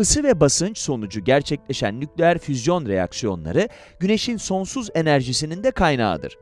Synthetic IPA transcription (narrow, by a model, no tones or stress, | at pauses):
ɯsɯvɛbasɯnt͡ʃso̞nud͡ʒuɟæɾt͡ʃʰɛclʲe̞ʃæ̰nːʲyclʲeæɾfyzjo̞nɾe̞ja̰ksijo̞̰nlˠa̰ɾɯ | ɟyne̞ʃinso̞nsuze̞næɾʒisinind̪ɛkʰajna̰ːd̪ɯ̰ɾ̥